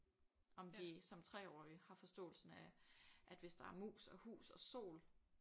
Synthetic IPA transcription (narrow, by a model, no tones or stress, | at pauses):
ɒ̽md̥isɒ̽mt͡sʰʁɛ̰ːɒ̰ːihɑ̈fɒ̽sd̥ɔ̰̽ːl̩sn̩æʔæd̥ʋe̝sd̥ɑ̈æɐmṵːsɒ̽hṵːsɒ̽so̝̰ːl